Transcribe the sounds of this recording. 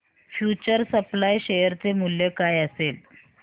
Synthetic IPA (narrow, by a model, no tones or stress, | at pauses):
fjut͡ɕəɾsəplajɕejəɾt͡semuljəkajəsel